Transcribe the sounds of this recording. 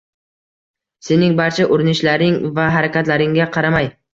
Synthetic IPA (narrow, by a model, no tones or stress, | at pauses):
se̞nɪŋbaɾt͡ʃʰaʔʊɾɪnɪʃlaɾɪŋvaɦaɾakʲat̪laɾɪŋɡʲaqʰɑɾamaj